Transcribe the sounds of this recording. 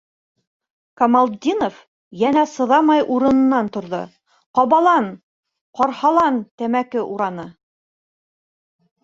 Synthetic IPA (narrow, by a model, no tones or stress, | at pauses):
kɐmɑlˠd̪ʲinof | jænæsɤ̆ðɑmɑjʔuɾɤ̆nɤ̆nːɑnt̪ŏɾðo̰ | qɑβɑlˠɑn | qɑɾhɑlˠɑnt̪æmækɘʔuɾɑnɤ